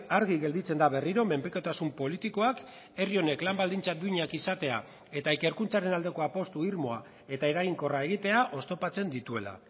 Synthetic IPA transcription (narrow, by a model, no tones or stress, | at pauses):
aɾɣiɣe̞ld̪it͡se̞nd̪aβe̞riɾo̞me̞mpɾikot̪asumpo̞lit̪iko̞ak | e̞rio̞ne̞klambald̪int͡sad̪uiɲakisat̪e̞a̰ | e̞t̪aeke̞ɾkunt͡saɾe̞nald̪e̞ko̞apo̞st̪uiɾmo̞a | e̞t̪ae̞ɾaɣiŋko̞rae̞ɣ̞it̪e̞aʔo̞st̪o̞pat͡se̞nd̪it̪ue̞la̰